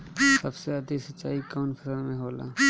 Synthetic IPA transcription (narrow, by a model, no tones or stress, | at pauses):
sɐbseəd̪isətːʃa̰ːikɔːnkʰəsəɾmẽɦoːla̰ː